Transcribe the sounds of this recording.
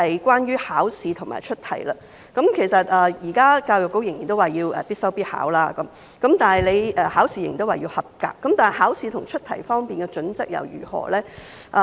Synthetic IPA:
hɐ˨jkʷwaː˥njyː˥haː˨˥wsiː˨˧t̪ʰʊ˨ŋma̰ː˨˩t͡ʃʰɵ˥t̚t̪ʰɐ˨˩jlaː˧ | kɐ˨˥mkʰe˨˩jsɐ˨t̚ʔɛː˨jiː˨˩kaː˥kaː˧wjʊ˨k̚ːo˨˥wjɪ˨˩ŋjiː˨˩nt̪o˥waː˨jiː˧wʔɛ̰ː˨˩piː˥t̚sɐ˥wpiː˥t̚ha̰ː˨˥wlaː˥kɐ˨˦m | kɐ˨˥mt̪aː˨nhɐ˨jle˨˧jɛ˨haː˨˥wsiː˨˧j̰ŋji˨t̪waː˨˩jiː˧whɐ˨p̚ka̰ː˧k̚ːɐ˨˥mt̪aː˨nɐ˨jhaː˨˥wsiː˨˧t̪ʰʊ˨˩ŋt͡ʃʰɵ˥t̪ʰɐ˨˩jfɔː˥ŋpiː˨nkɛː˧t͡ʃɵ˨˥nt͡sɐ˥k̚jɐ̰˨˩wjy̰ː˨˩hɔ̰ː˨˩lɛː˥ | ʔa˨

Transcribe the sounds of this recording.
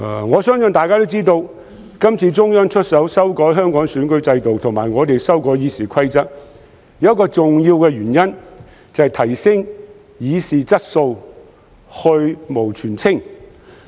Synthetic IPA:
ŋɔː˨˧sœː˥ŋsɵ˨˧nt̪aː˨jkaː˥t̪o˥wt͡siː˥t̪o˧w | kɐ˥mt͡sʰiː˧t͡sʊ˥ŋjœː˥ŋt͡ʃʰɵ˥t̚sɐ˨˥wsɐ˥wkɔː˨˥jɦœː˥ŋkɔː˨˥ŋsyː˨˥nkɵ˨˥ɥt͡sɐ˧jt̪o˨wt̪ʰʊ˨˩ŋmaː˨˩jŋɔː˨˧t̪e˨jsɐ˥wkɔː˨˥jiː˨˧siː˨kʰɐ˥jt͡sɐ˥k̚ | jɐ˧˥ɐ˥tkɔː˧t͡sʊ˨ŋjiː˧wkɛ˧ɥyː˨˩njɐ˥n | t͡sɐ˨˧hɐ˨jt̪ʰɐ˨˩jsɪ˥ŋ | jiː˨˧siː˨t͡sɐ˥t̚so˧w | hɵ˧ɥmo˨˩wt͡ʃʰyː˨˩nt͡sʰɪ˥ŋ

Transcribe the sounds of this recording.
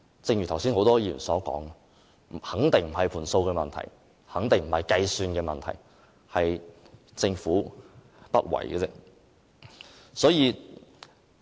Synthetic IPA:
t͡sɪ˧ŋjyː˨˩t̪ʰwsiː˥nho˨˥wt̪ɔː˥jiː˧˩jy̰˨˩nsɔː˨˥kɔ̰ː˨˥ŋ | m̩˨˩hɐ˨˥ŋt̪ɪ˨ŋm̩˨˩ɦɐ˨˩jpʰuː˨˩nso˧wkɛː˧mɐ˨nt̪ʰɐ̰˨˩j | hɐ˨˥ŋt̪ɪ˨ŋm̩˨˩hɐ˨jkɐ˧jsyː˧nkɛː˧mɐ˨nt̪ʰɐ̰˨˩j | hɐ˨j | t͡sɪ˧ŋfuː˨˥ | pɐ̰˥t̚wɐ̰˨˩jkɐ˧t͡sɛ˥ | sɔː˨˥jiː˨˧

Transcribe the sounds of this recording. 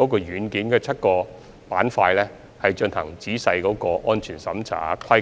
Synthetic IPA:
kɔː˨˥k̬ɔː˧jyː˨˥nkiː˨˥nkɛː˧t͡sʰɐ˥t̚kɔː˧ | paː˨˥nfaː˧jlɛ˥ | hɐ˨jt͡ʃɵ˧nhɐ˨˩ŋt͡siː˨˥sɐ˧jkɔː˨˥kɔː˧ʔɔː˥nt͡ʃʰyː˨˩nsɐ˨˥mt͡sʰa̰ː˨kʰɐ˥

